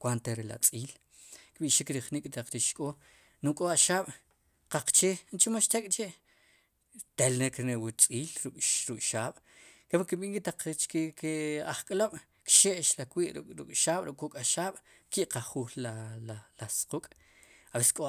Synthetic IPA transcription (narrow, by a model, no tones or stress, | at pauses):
kʷwant̪eɾela̰t͡sʼiːl | kɓiʔʃikɾiχnikʼt̪aq͡χɾiʃkʼo | nuŋkʼoaʃaːɓ̥ | qaq͡χt͡ʃeːnt͡ʃimoʃt̪ekʼt͡ʃeʔ | t̪elneknewut͡sʼiːlɾukʼɾukʼʃaːɓ̥kepikiɓiʔŋkʼit̪aq͡χt͡ʃkekeaχkʼloɓ̥ | kʃeʔʃlakwiːʔɾukʼʃaːɓ̥ɾukʼkːukʼaʃaːɓ̥ | kiʔqaχuːlalalasqukʼ | aweskʼo